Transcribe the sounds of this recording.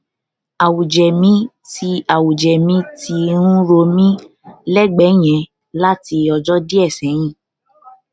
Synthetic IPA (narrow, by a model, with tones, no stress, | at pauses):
a˨wu˨d͡ʒɛ˨mĩ˨˦ | ti˧a˨wu˨d͡ʒɛ˨mĩ˨˦ti˧ɾũ˦ɾo˧mĩ˦ | lɛ˦˨ɡ͡bɛ˨˦j̃ɛ̃˨˦ | la˦ti˧ɔ˧d͡ʒɔ˦di˦ɛ˦˨sɛ̃˨˦j̃ĩ˦˨